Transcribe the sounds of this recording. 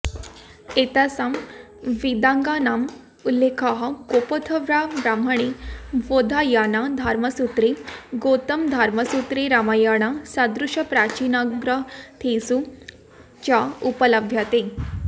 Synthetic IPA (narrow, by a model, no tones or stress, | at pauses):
et̪asam | ʋid̪aŋɡanam | ulːekʰaɦakopot̪ʰəʋɾabɾaməɽ̃iʋod̪ʱajanad̪ʱaɾməsut̪ɾiɡot̪əmd̪ʱaɾməsut̪ɾiɾamajaɽ̃asad̪ɾuʂəpɾat͡ɕinaɡɾət̪ʰesu | t͡ɕaupələbʱjat̪e